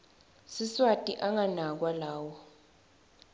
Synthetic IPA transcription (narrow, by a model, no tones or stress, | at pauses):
siswatʼiʔaŋanak̬walaːwɔ